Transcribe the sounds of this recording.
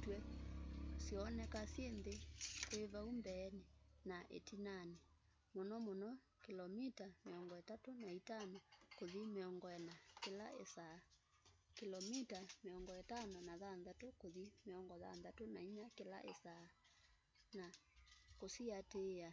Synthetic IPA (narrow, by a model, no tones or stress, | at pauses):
twɛ | siɔnɛkasjenðekweβaumbɛːnenaʔḛtinane | monɔmonɔ | kelɔmitameɔŋɡɔɛtatonaitanɔkoðimeɔŋɡɔɛnakelaesaː | kilɔmitameɔŋɡɔɛtanɔnaðanðatokoðimeɔŋɡɔða̰nðatonaiɲakela̰ʔesaː | nakosiatea